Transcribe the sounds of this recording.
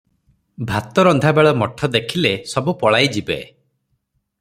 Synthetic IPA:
bʱat̪ɔɾɔnd̪ʱabeɭɔmɔʈʰɔd̪ekʰilesɔbupɔɭajd͡ʒibḛ

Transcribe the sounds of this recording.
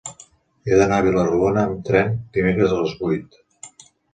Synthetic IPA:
eðənaəβ̞iləruonəːmt̪ɾɛnd̪imekɾəzələzβujt̪

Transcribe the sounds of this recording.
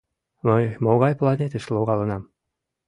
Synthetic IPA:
mɤjmoɣɑjplˠɑnʲet̪ɘ̆ʃlˠoʁɑlˠɤ̆nɑm

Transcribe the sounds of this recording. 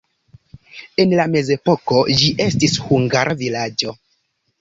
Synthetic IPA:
e̞nlame̞ze̞poko̞d͡ʒiʔe̞stishuŋɡaɾʔavilad͡ʒo̞

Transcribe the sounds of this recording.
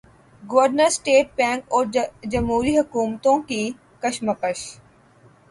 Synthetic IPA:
ɡoʋəɾnəɾsʈeːʈ̚bɛ̃ːŋkɔːɾd͡ʒɐmɦuːɾiɦɐkuːmt̪õki | kɐʃməkəʃ

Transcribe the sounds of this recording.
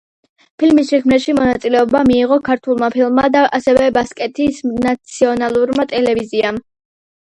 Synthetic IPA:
pʰilmisʃɛkʰmnɛʃimɔnat̪sʼilɛɔbamiːʁɔkʰaɾt̪ʰulˠmapʰilˠmmːad̪aʔasɛvɛbaskʼɛt̪ʰisnat̪sʰiɔnalˠuɾmat̪ʼɛlɛviziam

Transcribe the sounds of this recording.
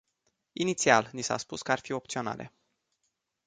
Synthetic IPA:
init̪sialnisa̰spuskəarfio̞pt̪sio̞na̰lʔe̞̰

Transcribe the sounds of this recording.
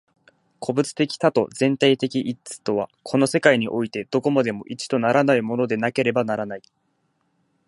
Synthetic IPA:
kʰo̞bɯ̟t͡sɨ̥t̪e̞kʲi̥t̪at̪o̞zẽ̞nt̪ait̪e̞kʲiʔit͡sɨ̥t̪o̞β̞a̰kʰo̞no̞se̞kaiɲ̟iʔo̞it̪e̞d̪̥o̞ko̞mad̪e̞mo̞ʔit͡ɕi̥d̪o̞naɾanaimo̞no̞d̪e̞nake̞ɾe̞banaɾanai

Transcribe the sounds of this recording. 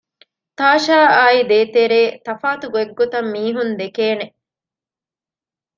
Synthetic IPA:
t̪aːʃaːaːid̪eːt̪eɾeːt̪ɐfaːt̪uɡueɡːot̪ɐmːiːɦund̪ekeːne

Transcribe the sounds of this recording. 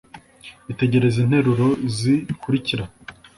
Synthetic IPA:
ite̞ɟe̞ɾe̞zin̥he̞ɾuɾo̞zikuɾiciɾa

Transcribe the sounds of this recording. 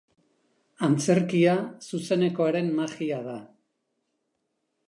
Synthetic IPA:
ant͡se̞ɾkiasuse̞ne̞ko̞aɾe̞mmaxiaða

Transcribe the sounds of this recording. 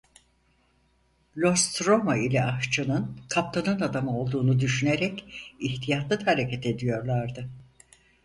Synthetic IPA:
lʲo̞st̪ɾo̞mailʲɛaxʃt͡ʃʰɯnɯnkʰap̚t̪ʰanɯnad̪amɯo̞lˠd̪uːnud̪yʃyneɾɛciçt̪ʰijat̪lˠɯd̪ahaɾe̞cʰet̪ʰe̞d̪ijo̞ɾlˠaɾd̪ɯ

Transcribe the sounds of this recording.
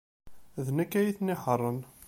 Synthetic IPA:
ðnækːæjiθniħərˤːən

